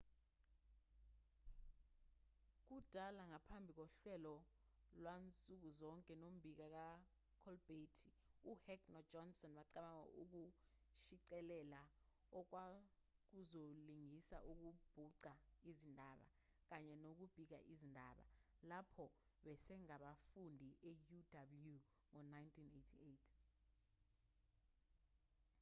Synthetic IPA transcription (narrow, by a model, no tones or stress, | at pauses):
k̬ud̥ʱalaŋapʰambʱik̬ɔɬwɛlɔ | lwant͡sʼuk̬uzɔŋkʼɛnom̩bʱik̬ak̬a | kʰɔlb̥ʱetʰi | uhɛknɔd͡ʒɔnsɔnɓaǀaɓaŋa̰ʔuk̬u | ʃiǀɛlɛla | ɔk̬wa | k̬uzoliŋisa̰ʔuk̬ub̥ʱuǀaizindʱaɓa̰ | k̬aɲɛnok̬ub̥ʱik̬a̰ʔizindʱa̰ɓa̰lapʰɔɓɛsɛŋaɓafundʱiʔɛjudablju | ŋɔnajntʰinetʰietʰ